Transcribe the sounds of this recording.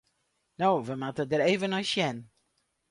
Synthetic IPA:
noːʋəmatədəɾeːvənɔjʃjɛn

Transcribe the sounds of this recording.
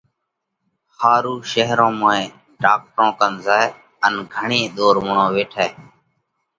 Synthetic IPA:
haːɾuːʃəɦɾõːmõːẽː | ɖaːk̚ʈɾõːkənzaː | ənɡʱəɳẽːɗ̪oːɾmʊɳõːʋeːʈʰɛː

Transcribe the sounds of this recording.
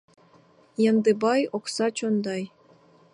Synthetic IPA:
jɤ̆nd̪ɨ̆bɑjoksɑt͡ɕond̪ɑj

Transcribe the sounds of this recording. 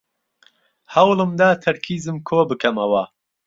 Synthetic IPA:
hɐwlɨmd̪aːt̪ʰɐɾkʰiːzɨmkʰoːbɨkʰɐmɐwɐ

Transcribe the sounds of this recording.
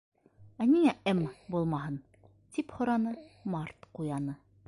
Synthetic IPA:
æniŋæɘmbulˠmɑɦɤn | t̪iphŏɾɑnɤmɑɾt̪qujɑnɤ

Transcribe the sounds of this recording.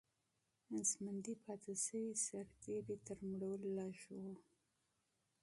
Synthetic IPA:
ansmand̪ipʰɑt̪ʰasəwisaɾt̪ʰeɾet̪əɾmɽawəlːɑʃwo

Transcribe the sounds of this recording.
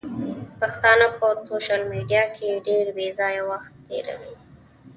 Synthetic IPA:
paxt̪ɑnəkoɾsoʃalmiɖijɑkʰeɖeɾbezɑjawaxt̪ːḛɾa̰wi

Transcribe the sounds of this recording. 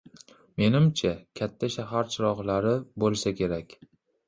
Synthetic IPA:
me̞nɪmt͡ʃʰakʲʰat̪ʰːaʃaɦaɾt͡ʃʰɪɾɒʁlaɾɪbolˠsakʲʰe̞ɾakʲ

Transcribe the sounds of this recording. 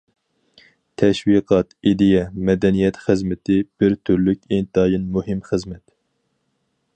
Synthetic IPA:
t̪ʰɛʃwiqʰɑt̪id̪ɪjɛmɛd̪ɛnijɛt̪χəzmɪt̪ʰɪb̥ɪɾt̪ʰyɾlykʲint̪ɑːjinmuhɪmχəzmɛt̪

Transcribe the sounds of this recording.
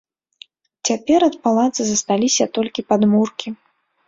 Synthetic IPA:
t͡sʲapʲɛɾɐt̪palˠat̪sɨzɐst̪alʲisʲɐt̪ɔlʲkʲipad̪murkʲi

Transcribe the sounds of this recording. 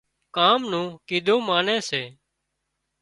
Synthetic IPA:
kaːmnũːkiːd̪ʱũːmaːnẽːseː

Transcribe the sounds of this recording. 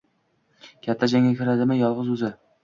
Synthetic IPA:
kʲʰat̪ʰːad͡ʒaŋʲakʲʰɪɾad̪ɪmɪjɒlˠʁɨzʊzɪ

